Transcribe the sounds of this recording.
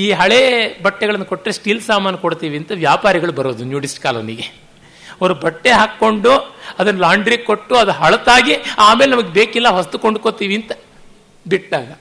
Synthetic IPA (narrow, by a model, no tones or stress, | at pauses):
iːɦɐɭebɐʈːɛɡɐɭɐnːɐko̞ʈːɾesʈiːlsaːmaːnɐkoɽt̪iːʋiɐnt̪ɐʋjaːpaːɾiɡɐɭubɐɾoːd̪unjuːɖisʈkaːlɐniːɡe | ɐoɾubɐʈːeɦaːkːo̞ɳɖuɐd̪ɐnːɐlaːɳɖɾiːkoʈːuɐd̪uɦɐɭɐt̪aːɡiaːme̞ːlenɐmɐɡebeːkilːɐʋɐsɐt̪ukoɳɖukot̪iːʋiɐnt̪ɐ̥ | biʈːaːɡɐ